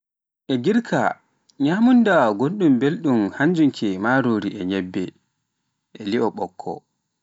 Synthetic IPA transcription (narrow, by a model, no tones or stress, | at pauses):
ʔɛɡiɾkʰa̰ | ɲaːmundaɡonɗumbelɗumhaɲd͡ʒuŋkʰɛmaːɾoːɾiʔɛɲɛbːɛ | ʔɛliɔɓɔkʰːɔ̰